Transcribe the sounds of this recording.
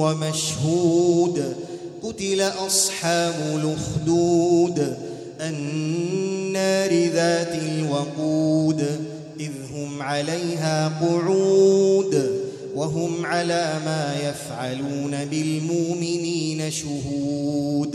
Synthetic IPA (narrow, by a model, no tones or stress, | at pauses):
wamaʃhuːd̪ | qʊt̪ɪlaʔɑsˤħɑːbʊlʊxd̪uːd̪ | ʔanː | aɾɪðaːt̪ɪlwɑquːd̪ | ʔɪðɦʊmʕalajɦaːqʊʕuːd̪ | waɦʊmʕalaːmaːjafʕaluːnabɪlmʊʔmɪniːnaʃʊɦuːd̪